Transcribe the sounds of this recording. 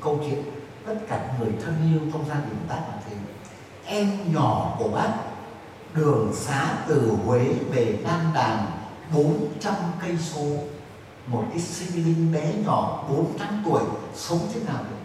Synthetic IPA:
kə˧wt͡ɕwḭ˧˨ən | t̪ə˦˥t̚kaː˧˩ŋɨ˨˩əjt̪ʰə˧nʔi˧əwkə˧wŋ͡mzaː˧nɗḭ˨˩ət̪aː˦˥k̚laː˨˩t̪ʰi˨˩ən | ʔɛ˧mɲɔ˧˩ku˧˩əɓa˦˥k̚ | ɗɨ˨˩əŋsaː˨˦t̪ɨ˨˩hwe˨˦ve˨˩laː˧nɗaː˨˩ŋ | ɓo˨˦nt͡ɕa˧mkə˧jso˨˧˦ | mo˨˩t̚ʔi˦˥si˧m˧li˧ŋɓɛ˨˦ɲɔ˧˩ɓo˨˦nt̪aː˨˦mt̪u˧˩əjsə˨˦ŋ͡mt͡ɕʰi˨˦naː˨˩w

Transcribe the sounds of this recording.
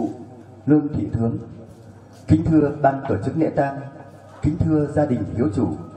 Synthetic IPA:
lɨ˧əŋt̪ʰḭ˧˩t̪ʰɨ˨˦əŋ | kï˨˦ŋ̟t̪ʰɨ˧əɓaː˧nt̪o˧˩t͡ɕɨ˦˥k̚nɛ̰˧˥t̪aː˧ŋ | kï˨˦ŋ̟t̪ʰɨ˧əzaː˧ɗï˨˩ŋ̟fi˨˦əwt͡ɕu˧˩

